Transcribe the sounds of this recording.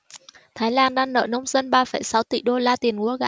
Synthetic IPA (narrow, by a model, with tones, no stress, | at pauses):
t̪ʰaː˨˦jlaː˧nɗaː˧ŋnə̰ː˧˨nə˧wŋ͡mzə˧nɓaː˧fə˧˩jsa˨˦wt̪ḭ˧˩ɗo˧laː˧t̪i˨˩ənku˨˦əɣa̰ː˧˥˦